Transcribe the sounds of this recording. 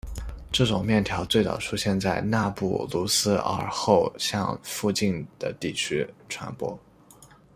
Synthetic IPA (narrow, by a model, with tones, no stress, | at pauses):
ʈ͡ʂɤ˥˩ʈ͡ʂʊ˨˩ŋmjɛ˥˩nt̪ʰjɑ˧˥ʊt͡swe˥˩ɪt͡sɑ̰˨˩ʊʈ͡ʂʰu˥ɕjɛ˥˧nt͡sa˥˧ɪna˥˧pṵ˥˩lu˧˥sɹ̩˥ə̰˞˧˥xo˥˧ʊɕjɑ̰˥˧ŋfu˥˧t͡ɕi˥˩nd̪̥ə̰˩t̪i˥˩t͡ɕʰy˥ʈ͡ʂʰwa̰˧˥npwɔ̰˥